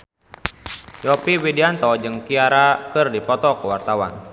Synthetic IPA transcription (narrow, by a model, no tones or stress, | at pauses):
jɔpiwidiant̪ɔd͡ʒɨŋkiaɾakɨrdipɔt̪ɔkəwart̪awa̰n